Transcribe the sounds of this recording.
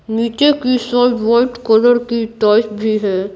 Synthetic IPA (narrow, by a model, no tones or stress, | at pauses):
niːt͡ʃekisɔːʈʋɔɪʈkɔːləɾkiʈɔːt͡ʃbʱiɦɛː